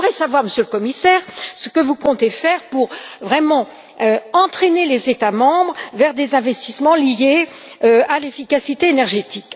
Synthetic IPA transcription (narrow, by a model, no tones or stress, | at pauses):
ʁɛsavwaʁməsjøləkɔmisɛːʁsə̥kəvukɔ̃t̪efɛʁpuʁvʁɛmɑ̃ | øɑ̃t̪χɛnelezet̪amɑ̃bʁvɛʁd̪ezɛ̃vɛst̪ismɑ̃lijeøalefikasit̪eːnɛʁʒet̪ik